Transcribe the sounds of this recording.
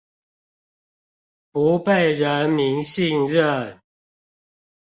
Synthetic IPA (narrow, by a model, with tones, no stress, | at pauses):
pu˨˦pe˥˨ɪɻə˨˦nmi˨˦ŋɕi˥˧ŋɻə˥˨n